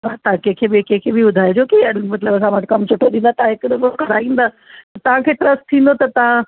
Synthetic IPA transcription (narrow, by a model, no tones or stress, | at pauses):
at̪akẽkʰeːbekẽkʰebibʊd̪ʱaːed͡ʑoːkimɐt̪ləbɐsãʋəʈʰkɐmt͡ɕʰʊʈʰoĩːnd̪aːt̪ɐãɦɪkdkɐɾaːĩːn̆d̪aː | ɐt̪ɐʋ̤ãkʰeːʈɾɐsʈ̚t̪ʰĩːn̆d̪ot̪ɐt̪ɐ̤ã